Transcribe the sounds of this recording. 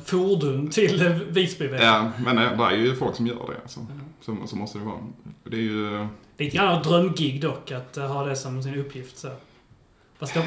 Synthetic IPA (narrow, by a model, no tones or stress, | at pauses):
fuɖʉnt̪ʰɪlviːsbɪvejɑːmɛnad̪ɛæ̰ɾjɵjəfɔlksɔmjœ̰ːɖɛ̰a̰lsɔsɔsɔmɔst̪əd̪ɛvɑ̰ːɔd̪ɛːɾjɵliːt̪əɡɾanːaad̪ɾœmːɡɪɡd̪ɔkːat̪ɦɑːd̪ɛsɔms̬ɪnɵpʰːjɪft̪sæɾ | vaska